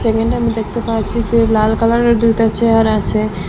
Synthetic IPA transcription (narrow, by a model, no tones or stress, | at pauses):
sɛkeɳɖamid̪ekʰt̪epat͡ɕʰid͡ʑelalkalaɾeɾd̪ujt̪at͡ɕeɦaɾat͡ʃʰe